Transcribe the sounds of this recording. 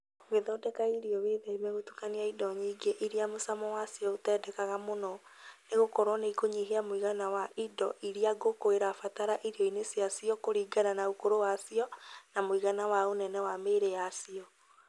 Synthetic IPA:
weðɔːdɛkaiɾiɔβeːðɛimɛɣotu̥kaniaidɔɲiɡeʔiɾiamosamɔwasiɔotɛdɛkaɣamonɔ | neɣokɔɾwɔneikoɲiɦeamwiɣanawaʔidɔ̰ʔiɾiaɡokoeɾafataɾaʔiɾiɔinesiasiɔkoɾiːɡananaokoɾowasiɔnamoiɣanawaonɛnɛwameːɾejasiɔ

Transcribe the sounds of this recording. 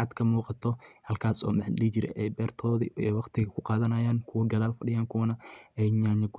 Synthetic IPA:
ɑd̪kʰɐmuːqɑt̪ʰɔhɐlkʰaːsɔ̰ːmɐħɗit͡ʃɪɾɛ̰ʔɛjbɛːrt̪ʰɔːðɪɛwɑqt̪ʰɪɣɐkʰʊqɑːðɐnɐjaːnkʰʊwɐɡɐðaːlfɐɖɪjaːŋkʰʊwɐnɐɛjɲaːɲɐɡʊ

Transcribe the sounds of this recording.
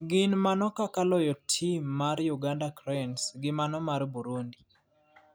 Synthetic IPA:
ɡɪnmanɔkakalɔjɔtʰimːaɾjuɡandakɾɛnsɡɪmanɔmaɾbuɾundi

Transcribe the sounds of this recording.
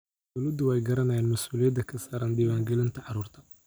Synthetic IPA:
d̪ʊluːd̪ʊwjɡɐɾɐnɐjaːnmɐsʔuːlijɐd̪ɐkʰɐsaːɾɐːnd̪iːwaːŋɡɛlɪnt̪ʰɐʕɑɾuːrt̪ʰɐ̥

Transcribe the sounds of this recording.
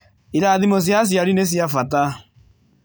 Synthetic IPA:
iɾaðimos̬jas̬jaɾines̬jafata

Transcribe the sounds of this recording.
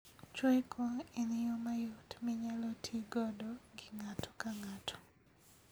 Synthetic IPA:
t͡ʃwɛkʰɔinɪjomajutmɪɲalɔtʰiɡɔdɔɡɪŋatʰo̥kaŋatʰɔ̥

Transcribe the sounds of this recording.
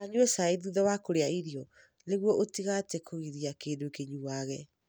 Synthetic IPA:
aɲuɛsaiðuðɔwakoɾeaiɾiɔ | neɣwɔʔotiɣatɛkoɣiðiakeːdokeɲuwaɣɛ

